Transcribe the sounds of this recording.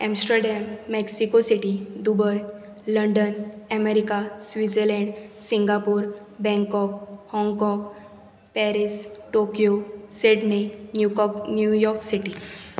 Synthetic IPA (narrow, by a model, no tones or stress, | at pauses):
ɛ̃msʈəɾɖɛmːeksikosiʈid̪ubəj | ləɳɖənəmeɾikasʋid͡zəɾlɛ̃ɳɖsiŋɡapuːɾ | bɛ̃ŋkɔkhɔ̃ŋɡkɔɡ | pɛɾisʈokijoseɖninjunjujɔɾksiʈi